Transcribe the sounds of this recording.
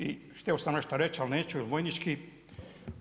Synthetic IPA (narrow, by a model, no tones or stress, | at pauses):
iʃt̪ʲeosamneʃt̪aɾet͡ʃalneːt͡ɕuilʋojnit͡ʃki